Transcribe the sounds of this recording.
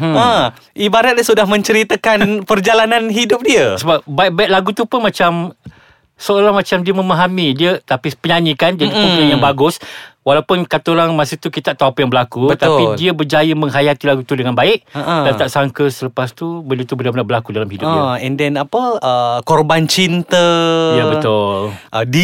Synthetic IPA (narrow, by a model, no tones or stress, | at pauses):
ə̃ | ʔibaɾat̪̚əsudahmə̃ɲt͡ʃəɾit̪akanpərd͡ʒalanãnɦidʊp̚diəsəbap̚baɪʔ̚baɪʔ̚laɡut̪upʊnmat͡ʃam | səoɾaŋmat͡ʃamdiəməmaɦamidiət̪apipəɲanĩkand͡ʒadipunajaŋbaɡʊswalawpʊnkat̪aoɾaŋmãsit̪ukit̪aʔt̪aapəjaŋbəlakubət̪apidiəbərd͡ʒajəmə̃ŋɦajat̪ilaɡut̪udəŋanbaɪʔadant̪aʔsaŋkəsələpast̪ubəndət̪ubənabənabəlakudalamhidʊp̚iɛndɛnapəəkɔrbant͡ʃint̪əjabət̪ʊlʔdi